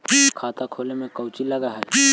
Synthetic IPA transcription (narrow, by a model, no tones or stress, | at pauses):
kʰaːt̪akʰoːlemẽkɐwt͡ʃilɐɡaɦɛː